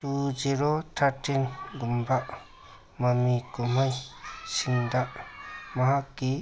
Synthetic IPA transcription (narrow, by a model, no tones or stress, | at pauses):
tud͡ʒiɾot̪ʰaɾʈʰinɡumbaʔ | mɐmikumajsiŋd̪aʔmaɦakːi